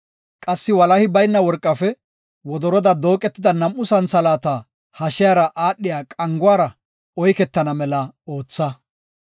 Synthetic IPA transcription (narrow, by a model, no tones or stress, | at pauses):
kʼɐsːɪwɐlɐhɪbɐjnːɐwɔɾkʼːɐfɛ | wɔd̪ɔɾɔd̪ɐd̪o̞ːkʼɛt̪ːɪd̪ɐnɐmʔːʊsɐnsɐlaːt̪a | hɐʃɪjaːɾɐʔaːɗːɪjaːkʼɐŋɡʊwaːɾɐ | ɔjkɛt̪ːɐnɐmɛlɐo̞ːt͡sːɐ